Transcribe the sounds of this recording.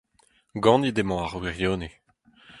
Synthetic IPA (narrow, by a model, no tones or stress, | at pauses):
ɡɑ̃ːnid̪emɑ̃aʁwiʁjoːne